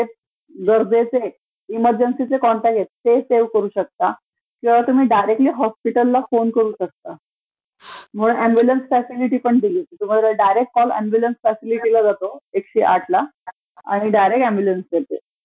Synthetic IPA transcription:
t̪e | ɡəɾd͡zet͡se | iməɾd͡ʑənsit͡sekɔɳʈaket̪t̪ːeseʋkəɾuːɕək̚t̪a | kĩw̃ʋat̪um̤iːɖajɾek̚ʈliːɦɔspiʈəlːafonkəɾuːɕək̚t̪a | m̤əɭuʔæmbjulənsfæsiliʈiːpəɳd̪iliːt̪um̤ad̪aɖajɾekːɔlæ̰̃mbjulənsfæsiliʈilad͡zat̪oekɕḭːʔaʈʰla | a̰ɽ̃iɖajɾekæ̃mbjulənsd͡ʑet̪ḛ

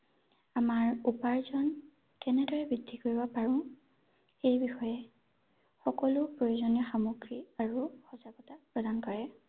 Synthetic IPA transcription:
amaɹupaɹzɔn | kɛnɛdɔjɛbɹidʱːikoɹibɔpaɹʊ̃ | ejbixɔjɛ | xɔkɔlʊpɹojozɔnijɔxamoɡɹiaɹuxɔsaɡɔtapɹɔdʱankɔɹɛ

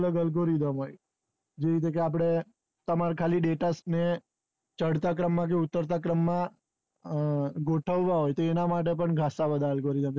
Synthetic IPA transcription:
ləɡəlɡoɾid̪əmɦoj | d͡ʒeɾit̪̬ek̬eap̬ɽ̃e | t̪əmaɾkʰaliɖeʈasne | t͡ʃəɽt̪ak̬ɾəmːãk̬eʊt̪ːəɾt̪̬akɾəmːã | ɡoʈʰəʋːãɦojt̪oenamaʈ̬epəɳɡʱasabəd̪ʱaəlɡoɾid̪əm

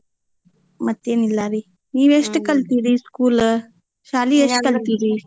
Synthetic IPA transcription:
mɐt̪ːeːnilːaːɾi | niːʋeʂʈkɐlt̪iːd̪iskuːl | ʃaːlieʂʈkɐlt̪iːd̪i

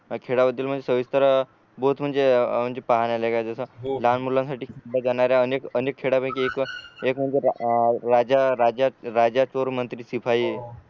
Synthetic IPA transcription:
kʰeɽabəd̪ːilm̤əɳd͡zesəʋist̪əɾa | boɦut̪m̤əɳnd͡zem̤əɳd͡zepaɦanjaləɡad͡zəsəlanmulãnsaʈʰiːkʰelːad͡zanaɾjaənekənekʰːeɽabəkiekekm̤əɳd͡zeɾad͡ʑaɾad͡ʑaɾad͡ʑat͡ʃoɾmənt̪ɾiːsipʰai

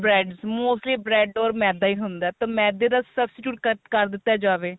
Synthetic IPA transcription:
bɾɛːɖzmoːsʈliːbɾɛːɖɔːɾmɛːd̪aːiːɦʊnd̪aːt̪ãːmɛ̃ːd̪eːd̪asəbsʈɪʈjuːʈkkəɾd̪ɪt̪ːaːd͡ʒaːʋeː

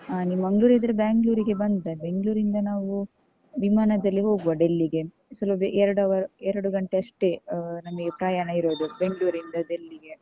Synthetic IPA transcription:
animɐŋɡɭuːɾid̪ɐɾebaːŋɡluːɾiɡe̞bɐnd̪d̪ɐbe̞ŋɡɭuːɾind̪ɐnaːʋu | ʋimaːnɐd̪ɐlːiɦo̞ːɡuʋɐɖelːiɡe̞ | sɐlɐbeɛɾɐɽɐʋɐɾɛɾɐɽuɡɐɳʈeɐʂʈenɐmɐɡepɾajaːɳɐiɾoːd̪ube̞ŋɡɭuːɾind̪ɐɖ̪elːiɡe̞

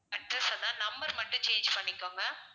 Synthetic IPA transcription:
ɐʈɾɐsɐt̪ãːnɐmbɐɾmɐʈːʊ̃t͡ʃeːnd͡ʒpɐɳːɪkːoːŋɡɐ

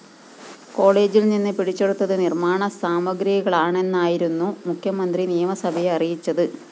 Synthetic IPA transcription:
ko̞ːɭe̞ːd͡ʑilninːɨpiɽit͡ɕːe̞ɽut̪ːɐðɨnirmaːɳɐsaːmɐɡɾijɐɣɐɭaːɳe̞nːaːjiɾunːumukʰjɐmɐnd̪rinijɐmɐsɐbʱɐjeɐrijit͡ɕːɐðɨ

